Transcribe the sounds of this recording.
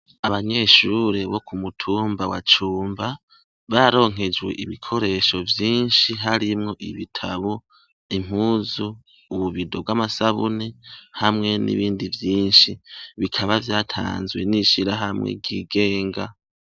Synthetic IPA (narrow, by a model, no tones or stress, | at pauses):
aβaɲe̞ʃuɾe̞βo̞kʰumutʰuːmbawa̰t͡ʃuːmba | βaɾo̞ːŋ̥ɦe̞d͡ʒwe̞̰ʔiβikʰo̞ɾe̞ːʃo̞vjiːnʃiɦaɾimŋo̞ʔiβitʰaβo | im̥uːzuː | βuβido̞b̚ɡwamasaβṵnehamŋe̞nḭβiːndivjiːnʃiβikʰaβavjaːtʰa̰ːnzwe̞̰niʃiɾaɦamŋḛɡɟiːɡe̞ːŋɡa